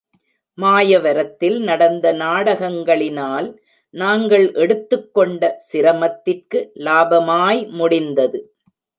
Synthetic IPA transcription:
maːjɐʋɐɾɐt̪ːɪlnɐɽɐnd̪ɐnaːɽɐɣɐŋɡɐɭɪnaːl | naːŋɡɐɭʔɛɽɯt̪ːɯkːɔɳɖɐsɪɾɐmɐt̪ːɪrkɯlaːbɐmaːjmʊɽɪnd̪ɐðɯ

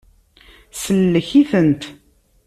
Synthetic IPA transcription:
səlːəçiθənt̪

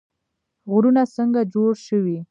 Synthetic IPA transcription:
ɣʊɾunasəŋɡad͡ʒoɽʃəwi

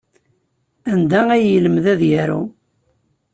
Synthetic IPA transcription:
ænd̪ææjələmðæðjæɾṵ

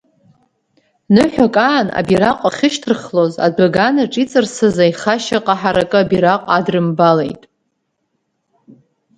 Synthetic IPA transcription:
nɨħʷᶣakʼaːna̰biɾaqʷʼaχʲɪʃtʰɨrχlo̞za̰daɡanaʈ͡ʂʼit͡sʼɨrsɨzaiχaʃaqʼaħaɾakʼɨabiɾaqʼadrɨmbalḛjtʼ

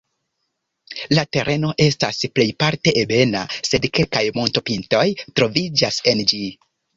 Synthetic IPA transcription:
late̞ɾʔe̞no̞ʔe̞stasple̞jpaɾte̞ʔebe̞nase̞dke̞lkajmo̞nto̞pinto̞jtɾo̞vid͡ʒase̞nd͡ʒi

